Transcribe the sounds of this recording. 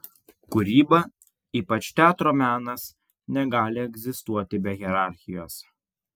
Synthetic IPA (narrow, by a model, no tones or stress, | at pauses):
kʊɾʲiːbɐ | iːpɐt͡ʃʲt̪ʲæːt̪ɾoːmʲæːnɐs | nʲɛɡɑːlʲɪɛɡzʲɪst̪uɔt̪ʲɪbʲɛɣʲɛɾɑˑɾʲxʲɪjoːs